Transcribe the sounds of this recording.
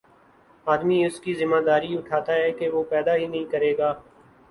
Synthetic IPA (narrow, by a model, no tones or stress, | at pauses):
aːd̪miʊskizɪmːaːd̪aːɾiʊʈʰaːt̪aɦɛkeʋoːpɛːd̪aɦinɐɦĩkɐɾeːɡaː